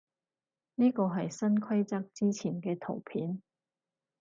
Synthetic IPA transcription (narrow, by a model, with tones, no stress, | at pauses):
niː˥kɔː˧ɦɐ˨jsɐ˥nkʰwɐ˥jt͡sɐ˥k̚t͡siː˥t͡sʰiː˨˩nkɛː˧t̪ʰo̰˨˩wpʰiː˨˥n